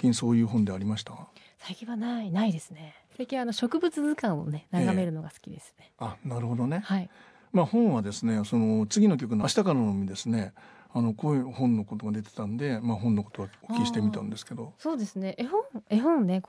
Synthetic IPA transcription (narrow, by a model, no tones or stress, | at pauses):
kʲĩɰ̃so̞ːjɯ̟ːɦõ̞nd̪e̞aɾʲimaɕi̥t̪a | saikʲĩɰ̃βanainaid̪e̞sɨ̥ne̞ | sakʲĩɰ̃ano̞ɕo̞kɯ̟bɯ̟t͡sɨzɨkãɰ̃o̞̰ne̞naɡame̞ɾɯ̟no̞ɡasɨ̥kʲid̪e̞sɨ̥ne̞anaɾɯ̟ho̞d̪o̞ne̞hai | maːhõ̞ɰ̃βad̪e̞sɨne̞so̞no̞t͡sɨɡʲino̞k̬ʲo̞k̬ɯ̟noaɕi̥t̪akananomʲid̪e̞sɨne̞ | ano̞kohõ̞nːo̞kot̪o̞ɡad̪e̞t̪et̪ãnd̪e̞maːɦõ̞nːokot̪o̞βaokʲːiɕi̥t̪e̞mʲit̪ãnd̪e̞sɨ̥ke̞d̪o̞so̞ːd̪e̞sɨne̞ʔehõɴeɦõ̞nne̞k